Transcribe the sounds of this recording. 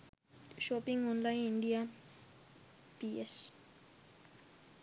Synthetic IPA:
ʃɔpiŋɔnlajnindia | piɛs

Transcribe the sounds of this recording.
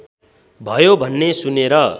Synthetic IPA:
bʱʌjobʱʌnːesuneɾʌ

